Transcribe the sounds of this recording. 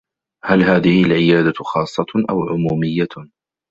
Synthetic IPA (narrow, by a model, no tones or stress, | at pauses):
halɦaːðɪhɪlʕɪjaːd̪axɑːsˤːɑʔa̰wʕʊmuːmɪjːa